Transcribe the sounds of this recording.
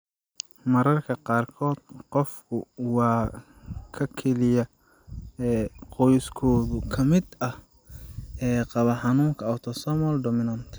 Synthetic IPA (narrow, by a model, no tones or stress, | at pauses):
mɐɾɐrkʰɐqɑːrkʰɔːd̪̥qɔfkʰʊwɑː | kʰɐkʰɛlɪjɐ | ɛqɔjskʰɔːðʊkʰɐmɪd̪ɐh | ɛːqɑβɐħɑnuːŋkʰɐːwt̪ʰɔsɔmɔlɖɔmɪnɐnt̪ʰ